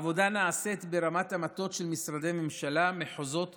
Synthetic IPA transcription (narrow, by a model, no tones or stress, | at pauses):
vo̞d̪anaaset̪beʁamat̪amat̪o̞tʃelmisɾad̪ejme̞mʃalameħozo̞t̪